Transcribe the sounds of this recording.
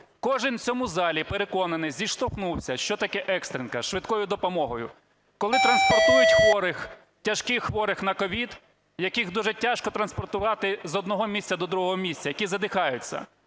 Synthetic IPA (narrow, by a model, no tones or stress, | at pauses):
kɔʒɪnt͡sʲɔmuzɑlʲipeɾekɔnɐnɪzʲiʃt̪ɔxnuwsʲɐʃt͡ʃɔt̪ɐkɛʔɛkst̪ɾɪnkɐʃʋɪd̪kɔjʊd̪ɔpɔmɔɦɔjʊ̰ | kɔlˠɪt̪ɾɐnspɔrt̪ujʊtʲxʋɔɾɪx | tʲɐʃkɪxʋɔɾɪxnɐkɔʋʲid̪ | jɐkiɣd̪uʒɛtʲaʃkɔt̪ɾɐnspɔrt̪ʊʋɑt̪ɪzɔd̪nɔɦɔmʲisʲt̪ʲt͡sʲɐd̪ɔd̪ɾuɦɔɦɔmʲisʲtʲt͡sʲɐjɐkʲizɐd̪ɪxɑjʊt͡sʲːɐ̰